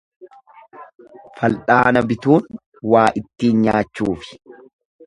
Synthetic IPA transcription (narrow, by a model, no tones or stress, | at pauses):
fɐlᶑaːnɐbɪt̪uːn | waːʔɪt̪ːiːnɲaːt͡ʃːuːfɪ̥